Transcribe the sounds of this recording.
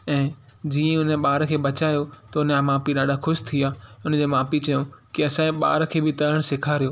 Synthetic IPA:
ɛ̃ːd͡ʑiːə̃ʊnɓaːɾkʰeːbɐt͡ɕaːjot̪ɐʊnəaːmaːpiɗaːɗaxʊʃt̪ʰiaːʊn̆d͡ʑeːmaːpit͡ɕɐjõkiɐsãːĩɓa̰ːɾkʰeːbʱɪt̪ɐɾəɽ̃sɪkʰaːɾijoː

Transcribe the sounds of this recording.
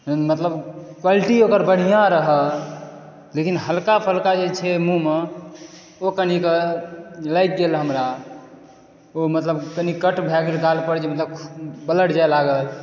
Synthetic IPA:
mət̪ləbkwaliʈiokəɾbəɽ̤ijãɾəɦə | lekinɦəlkapʰəlkad͡ʒet͡ʃʰɛmume | okənikə | ləjk̪̚ɡelɦəmɾa | omət̪ləbkənikəʈbʱɛɡelɡalpəɾd͡ʒemət̪ləbʰbələʈd͡ʒaelaɡəl

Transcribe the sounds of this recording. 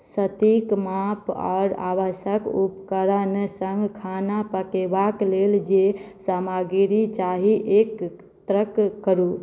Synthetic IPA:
sət̪ikmapɔ̰ːɾa̰ʋəsəkupkəɾənsəŋɡkʰanapəkebakleld͡ʒesamaɡiɾit͡ʃaɦiʔek | t̪ɾəkːəɾu

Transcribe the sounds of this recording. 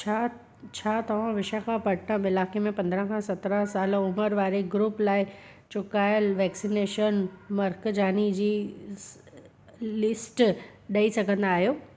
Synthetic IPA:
t͡ɕʰa | t͡ɕʰaːt̪ɐʋ̤ãʋɪʃəkʰãpɐɽʈ̪ʰãɪlaːkemẽpɐ̃nd̪əɾə̃kʰãsɐt̪ɾə̃saːlʊməɾʋaːɾeɡɾuːplaːɪ | t͡ɕʊkaːɪəlʋɛːksineːʃənmɐɾkd͡ʑaːnid͡ʑiː | lɪsʈ | ɗɐisɐɡʱə̃nd̪aːɦijoː

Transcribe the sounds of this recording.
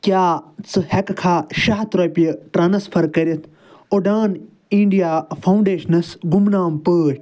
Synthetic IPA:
kʲjaːt͡sɨhɛkkʰaːʃɐɦt̪ɾoːpiɐʈɾɐnɐspʰɐɾkɐɾʲit̪ʰ | oɖaːn | iɳɖijaːpʰɐũɳɖeːʃɐnɐsɡumnaːmpəːʃ

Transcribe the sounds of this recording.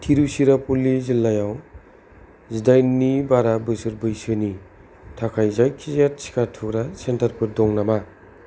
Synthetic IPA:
tʰiɾusiɾapulːizilːajaw | zidajnːibaɾabɯsɯɾbɯjsɯni | tʰakʰajzajkʰizjat̚si̥kʰatʰukɾasentaɾpʰɯɾdɔŋnama

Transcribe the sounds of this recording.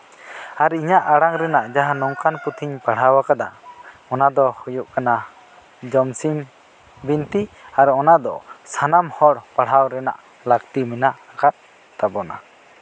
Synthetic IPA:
aɾiɲaʔaɽaŋɾɛnaʔd͡ʒaɦanɔŋkanput̪ʰiɲpaɽ̤awakad̪a̰ɔnad̪ɔhujuʔkana | d͡ʒɔmsim | bint̪iaɾɔnad̪ɔ̰sanamhɔɽpaɽ̤awɾɛna̰ʔ | lakt̪iminaʔakat̪̚ | t̪abɔna̰

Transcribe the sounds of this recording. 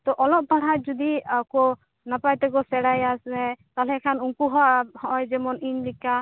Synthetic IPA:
t̪ɔʔɔlɔp̚baɽ̤ajzud̪iakɔ | napajt̪ɛɡɔsɛɽajasnɛt̪alɛkʰanuŋkuɦɔhɔjzɛmɔninlika

